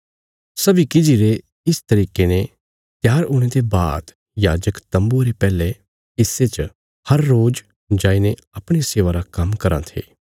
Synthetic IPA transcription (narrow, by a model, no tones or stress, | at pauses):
sɐbikɪd͡ʒiɾe | ɪst̪ɐɾiːkenẽ | t̪ɪjaːɾʊːɽ̃et̪eba̰ːt̪ | jaːd͡ʒəkt̪ɐ̃mbuɾepɛːle | ɪset͡ʃ | hɐɾːoːd͡ʒ | d͡ʒaːinẽ | ɐpɽ̃eseːʋaɾakɐmkɐɾã̰t̪ʰḛː